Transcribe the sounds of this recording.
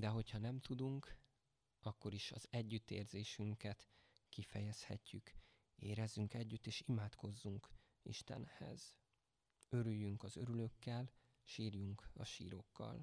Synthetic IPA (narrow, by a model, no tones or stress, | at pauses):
d̪ɛɦo̞chɒnɛmt̪ud̪uŋk | ɒkːo̞ɾiʃɒzɛɟːyt̪ːeːrzeːʃyŋkɛt̪kifɛjɛshɛcːyk | eːɾɛzːyŋkɛɟːyt̪ːeːʃimaːt̪ko̞zːuŋk | ḭʃt̪ɛ̰nhɛ̰z̥ | ø̞ɾyjːyŋkɒzø̞ɾylø̞kːɛl | ʃiːrjuŋkɒ̰ʃḭːɾo̞kːɒ̰l